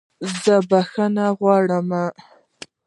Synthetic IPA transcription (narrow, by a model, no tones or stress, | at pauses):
zəbaxanaɣwɑɽəma